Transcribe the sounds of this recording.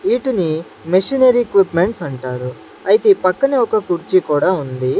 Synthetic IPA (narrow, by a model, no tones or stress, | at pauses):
iːʈuni | meʂinɐɾikʋipme̞ɳʈsɐɳʈaːɾu | ɐjt̪epɐkːɐneɔkɐkuɾt͡ʃikuːɽaːund̪i